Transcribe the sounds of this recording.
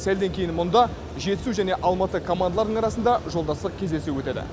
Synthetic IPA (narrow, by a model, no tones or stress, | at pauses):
sæld̪e̞ŋkʲʰe̞jɪnmʊnd̪ɑ | ʒe̞t̪ɪsuʒæne̞ʔɑlˠmɑt̪əkʰo̞mand̪lˠɑɾd̪əɴɑɾɑsənd̪ɑʒo̞lˠd̪ɑsəq̚kʲʰe̞zd̪esewɵt̪ed̪ɪ̰